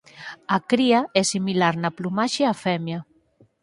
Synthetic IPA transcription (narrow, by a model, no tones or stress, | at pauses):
akɾiaɛsimilaɾnɐplumaʃeafɛmja